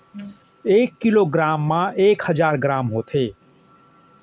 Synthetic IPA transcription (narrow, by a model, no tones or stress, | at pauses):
eːkːɪloːɡɾaːmːãːeːkhəzaːɾɡɾaːmɦoːt̪ʰeː